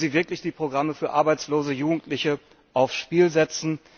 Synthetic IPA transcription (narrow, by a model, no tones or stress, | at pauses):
ziːvɪɐklɪçd̥iːpʁ̥oɡʁaməfyːɐʔaɐbaɪt͡sloːzəjuːɡŋ̩tʰlɪçə | ʔaʊfsʃpiːlzɛt͡sn̩